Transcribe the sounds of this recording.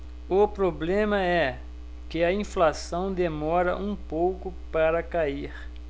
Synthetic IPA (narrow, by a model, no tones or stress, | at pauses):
ʊpɾoblẽmɐɛ | kɪɐĩflasɐ̃w̃d̪emɔɾɐ̰ʔũpowkʊpaɾɐkaiɾ